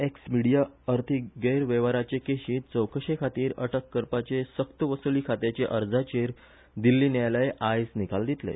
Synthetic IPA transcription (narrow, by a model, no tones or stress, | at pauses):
eksmiɽijaəɾt̪ʰiɡejɾʋeʋaɾat͡ɕekeɕiːt̪̚t͡səwkʰəɕekʰat̪iːɾə̰ʈəkːəɾpat͡ɕesəkt̪əʋəsuliːkʰat̪et͡ɕeʔəɾd͡zat͡ɕeɾ | d̪ilːiːnjajlajʔajsnikald̪it̪lḛ